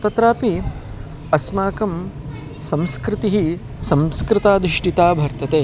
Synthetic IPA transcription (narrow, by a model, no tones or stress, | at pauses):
t̪ɐt̪ɾaːpi | ɐsmaːkɐm | sɐmskɾɪt̪iɦi | sɐ̃mskɾɪt̪aːd̪ɾɪʂʈit̪aːbʱɐɾt̪ɐt̪eː